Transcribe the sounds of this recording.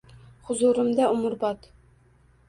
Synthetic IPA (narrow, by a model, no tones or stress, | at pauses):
χʊzuɾɨmd̪æʊmʊɾbɑt̪